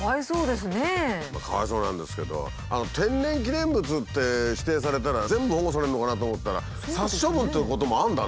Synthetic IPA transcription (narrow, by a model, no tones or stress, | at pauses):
aiso̞ːd̪e̞sɨnema̰ka̰βa̰iso̞ːnã̰nd̪e̞sɨ̥ke̞d̪o̞̰ | a̰no̞t̪ʰẽ̞nːẽ̞ŋk̬ʲid̪ẽ̞mbɯ̟t͡sɨt̪ːe̞ɕi̥t̪e̞ːs̬aɾe̞t̪aɾazẽ̞mbɯ̟hoɡos̬aɾe̞nɯno̞kanat̪oːmo̞t̪ːaɾa̰ | saɕːobɯ̟nt̪eɯ̟ko̞t̪o̞mo̞ãnd̪a